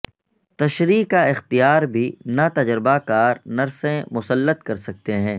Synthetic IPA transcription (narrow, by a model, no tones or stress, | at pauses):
t̪ɐʃɾiːaɪxt̪ijaːɾbʱinat̪ɐd͡ʒɾɪbakaːɾnɐɾsẽmʊsəlːət̪kɐɾsɐk̚t̪eɦɛ̃ː